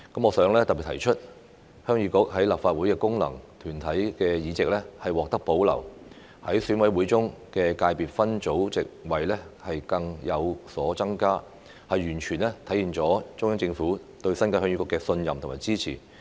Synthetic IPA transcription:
kɐ˨˥mɔː˨˧sœː˨˥ŋlɛː˥t̪ɐ˨k̚pi˨t̪ʰɐ˨˩jt͡ʃʰɵ˥t̚ | hœː˥ŋjyː˨˥kʊ˥k̚hɐ˨˥jlaː˨p̚faː˧t̚wuː˨˥jkɛː˧kʊ˥ŋlɐ̰˨˩ŋt̪ʰyː˨˩nt̪ʰɐ˨˥jkɛː˧jiː˨˧t͡sɪ˨k̚lɛ˥hɐ˨jwɔː˨k̚t̪ɐ˥k̚po˨˥wlɐ̰˨˩w | hɐ˨˥jsyː˨˥nwɐ˨˥jwuː˨˥jt͡sʊ˥ŋkɛː˧kaː˧jpiː˨˩t̚fɐ˥nt͡so˨˥wt͡sɪ̰˨k̚wɐ˨jlɛ˥hɐ˨jkɐ˧ŋjɐ˨˧wsɔː˨˥t͡sɐ˥ŋkaː˥ | hɐ˨jːyː˨˩nt͡ʃʰyː˨˩nlɛ˥t̪ʰɐ˨˥jiː˨˩nt͡sɔː˨˥t͡sʊ˥ŋjɐ˥ŋt͡sɪ˧ŋfuː˨˥ | t̪ɵ˧ɥsɐ˥nkaː˧hœː˧˥ŋjyː˧˥kʊ˨˥kːɛː˧sɵ˧njɐ˨mt̪ʰmaː˨˩jt͡siː˥t͡sʰḭː˨˩

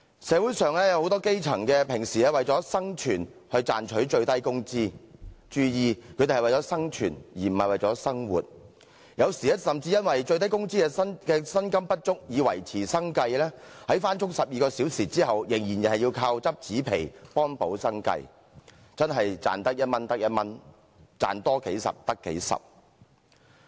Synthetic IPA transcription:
sɛː˨˥wu˨˥jsœː˨˧ŋlɛː˥jɐ˨˧who˨˧wt̪ɔː˥ke˥jt͡sʰɐ˨˩ŋkɛː˧pʰɪ˨˩ŋsiː˨ɛ˥wɐ˨jt͡sɔː˨˥sɐ˥ŋt͡ʃʰyː˨˩nhɵ˧ɥt͡sa̰ː˨nt͡ʃʰɵ˨˥ɥt͡ʃɵ˧ɥt̪ɐ˥jkʊ˥ŋt͡siː˥t͡ʃyː˧jiː˧kʰɵ˨˧t̪e˨hwɐ˨jɔː˨˥sɐ˥ŋt͡ʃʰyː˨˩njiː˨˩m̩˨˩hɐ˨jwɐ˨jt͡sɔː˨˥sɐ˥ŋwṵː˨˩t̚ | jɐ˨˧wsiː˨ɛ˥sɐ˨mt͡siː˧jɐ˥nwɐ˨jt͡ʃɵ˧ɥt̪ɐ˥jkʊ˥ŋt͡siː˥kɛː˧ɐ˥nkɛː˧sɐ˥nkɐ˥mpɐ˥t̚t͡ʃʊ˥k̚jiː˨˧wɐ̰˨˩jt͡sʰiː˨˩sɐ˥ŋkɐ˧jlɛː˥hɐ˨˥jfaː˥nt͡ʃʰʊ˥ŋ̚sɐ˨p̚jiː˨kɔː˧siː˨˥wsiː˨˩t͡siː˥hɐ˨wjɪ˨˩ŋjiː˨˩njɐ˨hɐ˨jːiː˧wkʰaː˧wt͡sɐ˥p̚t͡siː˨˥pʰe˨˩jpɔː˥npo˨˥wsɐ˥ŋkɐ̰˧j | t͡sɐ˥nɦɐ˨jt͡sa̰ː˨nt̪ɐ˥k̚jɐ˥t̚mɐ˥nt̪ɐ˥k̚jɐ˥t̚mɐ˥n | t͡sa̰ː˨nt̪ɔː˥ke˨˥jsɐ̰˨p̚t̪ɐ˥kːḛ˨˥jsɐ̰˨p̚

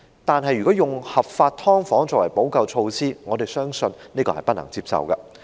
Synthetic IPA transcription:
t̪aː˨nɦɐ˨jɥyː˨˩kɔː˨˥jʊ˨ŋhɐ˨p̚faː˧t̚t̪ʰɔː˥ŋfɔː˨˥ŋt͡sɔː˧wɐ˨˩jpo˨˥wkɐ˧wt͡ʃʰo˧wsiː˥ŋɔː˨˧t̪e˨˩jsœː˥ŋsɵ˧nniː˥kɔː˧hɐ˨jpɐ˥t̚nɐ̰˨˩ŋt͡siː˧p̚sɐ̰˨wkɐ̰˧

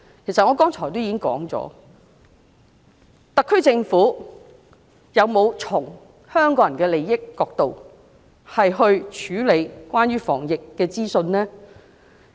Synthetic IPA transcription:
kʰe˨˩jsɐ˨t̚ŋɔː˨˧kɔː˥ŋt͡ʃʰɔː˨˩jt̪o˥wjiː˨˧kɪ˥ŋkɔ̰ː˨˥ŋt͡sɔ̰ː˨˥ | t̪ɐ˨kʰːɵ˥ɥt͡sɪ˧ŋfuː˨˥ | jɐ˨˧wmo˨˧wt͡sʰʊ˨˩ŋ | hœː˥ŋkɔː˨˥jɐ˨˩nkɛː˧le˨˧jːɪ˥kːɔː˧k̚t̪o˨w | hɐ˨jɦɵ˧ɥt͡ʃʰyː˨˥le˨˧jkwʷaː˥njɥyː˥fɔ̰ː˨˩ŋjɪ˨kːɛː˧t͡siː˥sɵ˧nnɛː˥

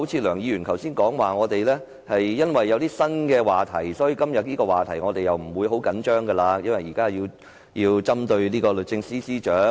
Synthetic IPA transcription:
o˨˥wt͡sʰiː˧lœː˨˩ŋjiː˨˧ɥyː˨˩nk̪ʰɐ˨˩wsiː˥nkɔː˨˥ŋwaː˨ŋɔː˨˧t̪e˨jlɛː˥ | hɐ˨jːɐ˥nwɐ˨jːɐ˨˧wt̪iː˥sɐ˥nkɛː˧waː˨˩t̪ʰɐ˨˩jsɔː˨˥ji˧kɐ˥mjɐ˨t̚niː˥kɔː˧waː˨˩t̪ʰɐ˨˩jŋɔː˨˧t̪e˨jjɐ˨wm̩˨˩wuː˨˧jɦo˨˥wkɐ˨˥nt͡ʃœː˥ŋɡɐ˧laː˧jɐ˥nwɐ˨jiː˨˩kaː˥jiː˧w | jiː˧wt͡sɐ˥mt̪ɵ˧ɥniː˥kɔː˧lɵ˨t̚t͡sɪ˧ŋsiː˥siː˥t͡ʃœː˨˥

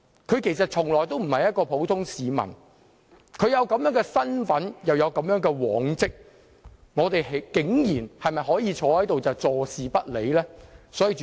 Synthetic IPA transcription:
kʰɵ˨˧ɥkʰe˨˩jsɐ˨t̚t͡ʃʰʊ˨˩ŋlɔː˨˩jt̪̬o˥wm̩˨˩hɐ˨jɐ˥t̚kɔː˧pʰo˨˥wt̪ʰʊ˥ŋsiː˨˧mɐ̰˨˩n | kʰɵ˨˧jɐ˨˧wkɐ˨˥mjœː˨˥ŋkɛː˧sɐ˥nfɐ˨˥njɐ˨wjɐ˨˧wkɐ˨˥mjœː˨˥ŋkɛː˧wɔ̰ː˨˥ŋt͡sɪ˥k̚ | ŋɔː˨˧t̪e˨jɦe˨˥kɪ˨˥ŋjiː˨˩nhɐ˨jmɐ˨jɦɔː˨˥jiː˧t͡ʃʰɔː˨˥hɐ˨˥jt̪o˨wt͡sɐ˨wt͡sɔː˨˧siː˨pɐ˥t̚lḛ˨˧jlɛː˥sɔː˨˥jiː˨˧

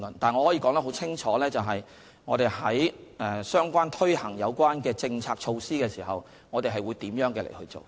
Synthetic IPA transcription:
nt̪aː˨˩nŋɔ˨˧hɔː˨˥ji˧˥kɔː˨˥ŋt̪ɐ˥ɦo˨˥wt͡sʰɪ˥ŋt͡ʃʰɔː˨˥lɛː˥t͡sɐ˨wɦɐ˨j | ŋɔː˨˧t̪e˨jhɐ˨˥jʔɛ˨˧sœː˥ŋkʷwaː˥nt̪ʰɵ˥jhɐ˨˩ŋjɐ˨˧wkʷwaː˥nkɛː˧t͡sɪ˧ŋt͡sʰaː˧k̚t͡ʃʰo˧wsiː˥kɛː˧siː˨˩ɦɐ˨w | ŋɔː˨˧t̪e˨jɦɐ˨jwuː˨˧jt̪iː˨˥mjœː˨˥ŋkɛː˧lḛ˨˩jhɵ˧ɥt͡so̰˨˩w

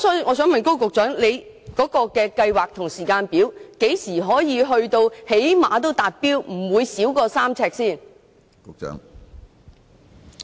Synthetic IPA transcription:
ɔ˨˥ŋɔː˨˧sœː˨˥ŋmɐ˨nko˥wkʊ˨k̚t͡ʃœː˨˥ŋle˨˧j | kɔː˨˥kɔː˧kɛː˧kɐ˧jwaː˨k̚t̪ʰʊ˨˩ŋsiː˨˩kaː˧npiː˨˥wke˨˥jsiː˨˩ɦɔː˨˥jiː˨˧ɦɵ˧ɥt̪o˧whe˨˥jmaː˨˧t̪̬o˥wt̪aː˨t̚piː˥wm̩˨˩wuː˨˧jsiː˨˥wkɔː˧saː˥mt͡sʰɛː˧k̚siː˥˩n | kʊ˨k̚t͡ʃœ̰ː˨˥ŋ

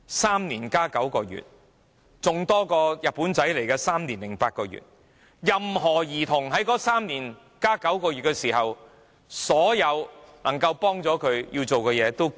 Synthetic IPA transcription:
saː˥mniː˨˩nkaː˥kɐ˨˥wkɔː˧jy̰ː˨t̚ | t͡sʊ˨ŋt̪ɔː˥kɔː˧jɐ˨t̚puː˨˥nt͡sɐ˨˥jle˨˩jkɛː˧saː˥mniː˨˩nlɪ˨˩ŋpaː˧t̚kɔː˧jy̰˨t̚ | jɐ˨mhɔː˨˩jiː˨˩t̪ʰʊ˨˩ŋɦɐ˨˥jkɔː˨˥saː˥mniː˨˩n | kaː˥kɐ˨˥wkɔː˧ɥy˨t̚kɛː˧siː˨˩ɦɐ˨w | sɔː˨˥jɐ˨˧wnɐ˨˩ŋkɐ˧wpɔː˥ŋt͡sɔː˨˥kʰɵ˨˧ɥjiː˧wt͡so˨wkɔː˧jɛː˨˧t̪o˥w

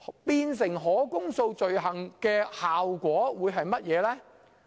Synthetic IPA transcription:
piː˧ns̬ɪ˨˩ŋɦɔː˨˥kʊ˥ŋso˧wt͡ʃɵ˨ɥɦɐ˨ŋkɛː˧haː˨wkʷɔː˨˥wuː˨˧jɦɐ˨jmɐ˥t̚jɛː˨˧lɛː˥

